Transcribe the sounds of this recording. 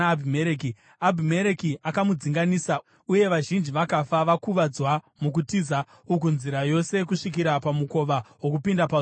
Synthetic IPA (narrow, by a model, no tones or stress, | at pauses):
bʱimeɾeki | abʱime̞ɾekiʔakamud͡ziŋɡanisa | uje̞ʋaʒind͡ʒiʋakafaʋakuʋad͡zwa | muk̬utiza | uk̬unziɾajo̞se̞kuʂik̬iɾapamuko̞ʋawo̞kupindapa